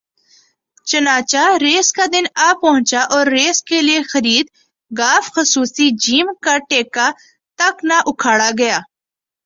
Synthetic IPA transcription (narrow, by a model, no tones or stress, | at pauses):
t͡ʃɐnaːt͡ʃaɾeːskaːd̪ɪnaːpɐɦʊ̃t͡ʃaʔɔːɾːeːskeliexɐɾiːd̪̚ | ɡaːfxəsuːsid͡ʒiːmkaʈeːka | t̪ɐknaʔʊkʰaːɽaɡɐjaː